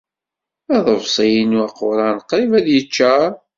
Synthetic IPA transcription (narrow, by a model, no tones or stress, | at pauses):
æðˤəvsˤijinuɑqʊɾˤɑnqːɾivæðjət͡ʃːæ